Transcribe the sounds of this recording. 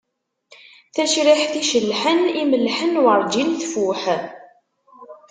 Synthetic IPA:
θæʃɾiħθiʃəlːħəniməlːħənwəɾˤd͡ʒinθfuħ

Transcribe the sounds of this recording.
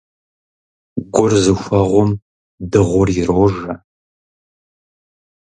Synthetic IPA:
ɡʷʊrzɨxʷɐʁʷʊm | dɨʁʷʊrjɪroːʒɐ

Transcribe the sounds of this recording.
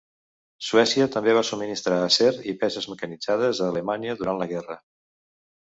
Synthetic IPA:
suɛsiət̪əmbeβ̞asumːinist̪ɾaːsɛɾipɛzəzməkənid͡zað̞əzəːləmaniəðuɾanləɣɛrə

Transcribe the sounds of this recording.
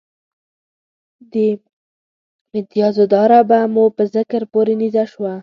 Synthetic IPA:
d̪ə | mɪt̪ijɑzod̪ɑɾabamupəzɪkɾpoɾenizaʃwa

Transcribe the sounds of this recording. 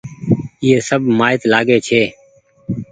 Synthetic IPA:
ɪeːsəbʱmaːɪt̪laːɡeːt͡ʃʰeː

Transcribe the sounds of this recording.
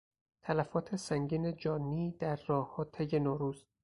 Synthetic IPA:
t̪ʰælæfɒːt̪ʰe̞sæŋɟiːne̞d͡ʒɒːniːd̪̥æɾːɒːhhɒːt̪ʰeje̞nɒːɾuːzt̪

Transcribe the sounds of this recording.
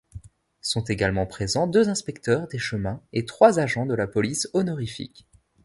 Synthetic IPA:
sɔ̃t̪eɡalmɑ̃pχezɑ̃d̪øzɛ̃spɛkt̪œʁd̪eʃəmɛ̃et̪χwazaʒɑ̃d̪əlapɔlisɔnɔʁifḭk

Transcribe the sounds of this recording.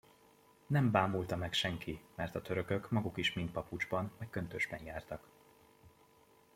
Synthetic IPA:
nɛmbaːmult̪ɒmɛkʃɛŋkimɛrt̪ɒt̪ø̞ɾøkø̞kmɒɡukiʃmint̪̚pɒpud͡ʒbɒnmɒjkːønt̪øːʒbɛnjaːrt̪ɒk

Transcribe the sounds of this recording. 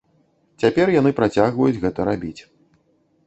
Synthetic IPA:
t͡sʲapʲɛrjanɨpɾat͡sʲaɣvɐjud͡zʲɣɛt̪ɐɾabʲit͡sʲ

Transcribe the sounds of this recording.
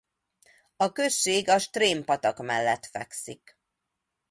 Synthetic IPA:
ɒkø̞ʃːeːɡɒʃt̪reːmpɒt̪ɒkmɛlːɛt̪fɛksik

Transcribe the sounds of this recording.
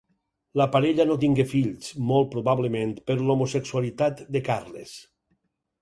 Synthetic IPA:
lapaɾeʎanot̪iŋɡefiʎsmolˠt̪̚pɾoβaβlemẽnt̪peɾlomoseksualit̪at̪d̪ekarlḛs

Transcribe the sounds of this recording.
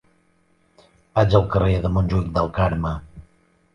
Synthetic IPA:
ad͡ʒəlˠkəreðəmonʲʒuik̚d̪əlˠkaɾmə

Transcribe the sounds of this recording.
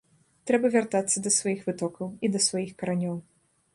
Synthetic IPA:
t̪ɾɛbɐvʲart̪at̪sːɐd̪ɐsvajixvɨt̪ɔkɐwid̪ɐsvajixkɐɾanʲɔw

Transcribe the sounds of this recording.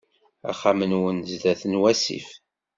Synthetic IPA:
a̰χamənwənzd̪æθənwæsḭf

